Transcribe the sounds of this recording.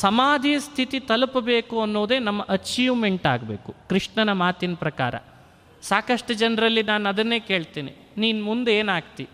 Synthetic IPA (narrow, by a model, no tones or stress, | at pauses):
sɐmaːd̪ʱijɐst̪ʰit̪it̪ɐlupɐbe̞ːkuɐnːoːd̪e̞ːnɐmːɐʔɐt͡ʃiːʋmeɳʈa̰ːɡbeːkukɾiʂɳɐnɐmaːt̪inɐpɾɐkaːɾɐ̰ | saːkɐʂʈud͡ʒɐnɾɐlːinaːnɐd̪ɐnːe̞ːke̞ːɭt̪iːnḭ | niːnmund̪eːnaːɡt̪i